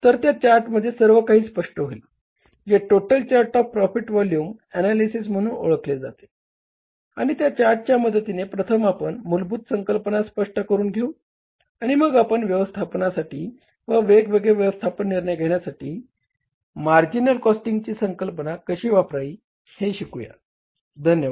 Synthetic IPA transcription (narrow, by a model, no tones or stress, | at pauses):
t̪əɾt̪jat͡ɕaɾʈməd̪ʱːjesəɾʋəkaɦiːspəʂʈəɦoil | d͡ʑeʈoʈəlt͡ɕaɾʈɔfpɾɔfiʈʋɔljuːmɛnalisism̤əɽ̃uːno̰ɭəkled͡za̰t̪e̥ | aɽ̃it̪jat͡ɕaɾʈ̚t͡ɕjaməd̪ət̪inepɾət̪ʰəmapəɳmulbuːt̪səŋkəlpənaspəʂʈəkəɾuːnɡʱeũ | aɽ̃iməɡapəɳʋjəʋəst̪ʰapnasaʈiː | ʋəʋeɡʋeɡɭeʋjəʋəst̪ʰapənːiɾɳjɡʱeɳjasaʈiː | maɾd͡ʑinəlkɔsʈiŋɡt͡ɕiːsəŋkəlpənakəɕiːʋapɾajiː | heɕikuja̰ | d̪ʱənjəʋa